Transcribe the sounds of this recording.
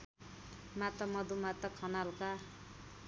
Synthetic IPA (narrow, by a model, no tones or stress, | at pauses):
mat̪ʌmʌd̪umat̪ʌkʰʌnalka